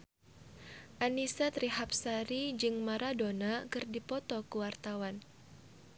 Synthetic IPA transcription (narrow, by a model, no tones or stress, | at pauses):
ʔanisat̪ɾiɦap̚saɾid͡ʒɨŋmaɾadonakɨrdipɔt̪ɔkuwart̪awan